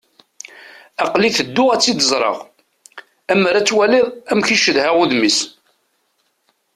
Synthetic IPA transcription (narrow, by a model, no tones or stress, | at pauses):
ɑqliθəd̪ːʊʁæt͡sːid̪əzˤɾˤə̰ʁ | æmːəɾæt͡sːwæliðˤæmçiʃəðhæʁʊðmis